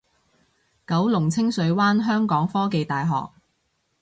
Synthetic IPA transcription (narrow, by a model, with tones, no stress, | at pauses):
kɐ˨˥wlʊ˨˩ŋt͡sʰɪ˥ŋsɵ˨˥ɥwaː˥nɦœː˥ŋkɔː˨˥ŋfɔː˥ke˨jt̪aː˨jɦɔ̰ː˨k̚